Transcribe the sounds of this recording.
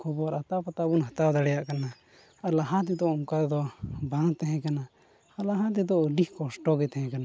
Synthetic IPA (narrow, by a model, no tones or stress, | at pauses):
kʰɔbɔaɾat̪apat̪abunɦat̪awd̪aɽɛjaʔkana | aɾlaɦãt̪̬it̪ɔʔmukad̪ɔbãt̪ɛɦɛ̃kana | aɾlaɦãt̪̬it̪̬ɔʔəɖihkɔsʈɔɡɛt̪ɛhɛ̃kana